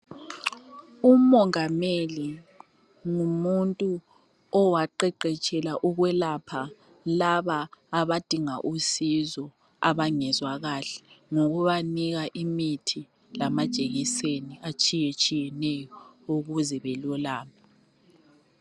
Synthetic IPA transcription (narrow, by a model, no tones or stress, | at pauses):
umɔŋameli | ŋumuntʼu | ɔwaǃɛǃɛt͡ʃʼɛlaʔuɣwɛlapʰa | laβaːβad̥ʱiŋa̰ʔusizɔ | a̰βaŋɛzwaɣaːɬɛ̥ŋoɣuβaniɣaʔimitʰi | lamad̥ʒ̥ʼʱeɣiseniat͡ʃʼijet͡ʃʼijɛnɛjɔuɣuzɛβɛlɔlaːma